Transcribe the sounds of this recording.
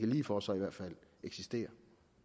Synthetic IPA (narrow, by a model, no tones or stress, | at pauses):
kæliːfɒsɒ̽iʋæɐd̥fæl̰eɡ̥sisd̥e̝̰ːɐ